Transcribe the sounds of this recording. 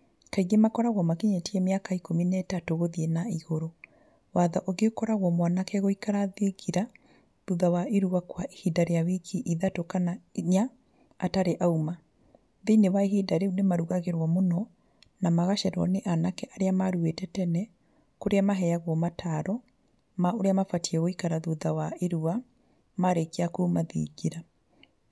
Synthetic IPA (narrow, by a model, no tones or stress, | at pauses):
kaiɣemakɔɾaɣwɔmakiɲɛtiɛmeakaikominɛːtatoɣoðienaiɣoɾo | waðaʔoɡeokɔɾaɣwɔmwanakɛɣoikaɾaðekʰiɾa | ðuðawaʔeɾuɣakwaihidaɾejawikʰiʔiðatokanaɲaː | taɾeʔauma | ðinewaeɦidaɾeunemaɾuɣaɣeɾwɔmonɔ | namaɣaʃɛɾwɔ̰neʔanakɛʔaɾeamaɾuetɛtɛnɛ | koɾeamaɦɛjaɣwɔmatʰaɾɔ | maoɾeamafatiɛɣoikaɾaðuðawaeɾua | maɾekeakumaðḭɣiɾa